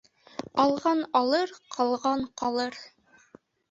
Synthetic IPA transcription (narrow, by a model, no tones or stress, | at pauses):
ɑlˠʁɑnɑlˠɤɾqʰɑlˠʁɑɴqɑlˠɤɾ